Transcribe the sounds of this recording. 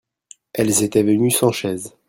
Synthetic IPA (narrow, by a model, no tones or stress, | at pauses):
ɛlzet̪ɛvənysɑ̃ʃɛz